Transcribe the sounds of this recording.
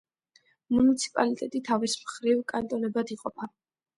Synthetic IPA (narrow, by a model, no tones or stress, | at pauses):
munit̪sʰi̥pʼalit̪ʼɛt̪ʼit̪ʰavismχɾivkʼant̪ʼɔnɛbad̪iqʼɔpʰa